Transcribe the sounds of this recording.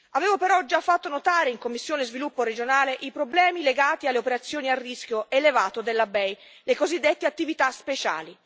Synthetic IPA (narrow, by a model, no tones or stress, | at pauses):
aveːvopeɾɔd͡ʒafːat̪ːonot̪aːɾeiŋkomːisːjoːnezvilupːoɾed͡ʒonaːleʔipɾoblɛːmileɡaːt̪ialːeopeɾat̪sːjoːniarːisk̟joelevaːt̪od̪elːabɛj | lekozid̪ːet̪ːeat̪ːivit̪aspet͡ʃa̰ːli